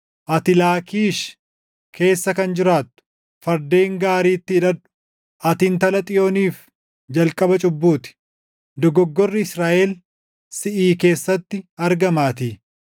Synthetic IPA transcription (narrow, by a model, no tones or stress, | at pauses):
ʔɐt̪ɪlaːkiːʃ | kʰe̞ːsːɐkɐnd͡ʒɪɾaːt̪ːʊ̥ | fɐɾd̪e̞ːŋɡaːɾiːt̪ːɪːᶑɐᶑʊ̥ | ʔɐt̪ɪnt̪ɐlɐt̪ʼɪjo̞ːniːf | d͡ʒɐlkʼɐbɐt͡ʃʼʊbːuːt̪ɪ̥ | d̪ɔɡɔɡːɔrːɪɪsɾaːʔɛl | sɪʔiːke̞ːsːɐt̪ːɪɐɾɡɐmaːt̪iː